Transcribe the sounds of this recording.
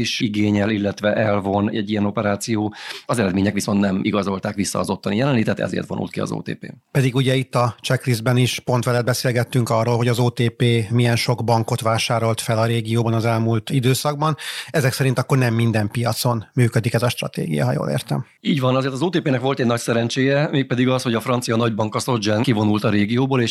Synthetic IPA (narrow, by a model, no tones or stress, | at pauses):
iʃiɡeːɲɛlilːɛt̪ʋɛʔɛlvo̞nɛɟːijɛno̞pɛɾaːt̪sijoːɒzɛɾɛd̪meːɲɛkʋiso̞nt̪nɛmiɡɒzo̞lt̪aːkʋisːɒ̰ːzo̞t̪ʰːɒnijɛlɛnliːt̪ɛt̪ɛ̰zḛːrt̪vonṵlkiɒ̰zo̰ːt̪ḛːpḛːpɛd̪iɡuɟɛit̪ːɒt͡ʃɛklizbɛniʃpo̞nt̪ʋɛlɛd̪bɛseːlɡɛt̪ːyŋkɒrːoːlɦo̞ɟɒzoːt̪eːpeːmijɛnʃo̞ɡbɒŋko̞t̪ʋaːʃaːɾo̞lt̪fɛlɒɾeːɡijoːbɒnɒzɛlmult̪id̪øːsɒɡ̚bɒnɛzɛksɛɾint̪ɒkːo̞rnɛmːind̪ɛmpijɒt̪so̞nmyːkød̪ikɛzɒʃt̪rɒ̰t̪ḛːɡḭjɒ̰ɦɒjo̰ːlḛːrt̪ɛ̰m | iːɟʋɒnɒzeːrɾt̪ɒzoːt̪eːpeːnɛkʋo̞lt̪ɛɟnɒcsɛɾɛnt͡ʃeːjɛmeːk̚pɛd̪iɡɒsho̞ɟɒfrɒnt̪sijɒnɒɟbɒŋkɒso̞d͡ʒɛnkivo̞nult̪ɒɾeːɡijoːboːleːʃ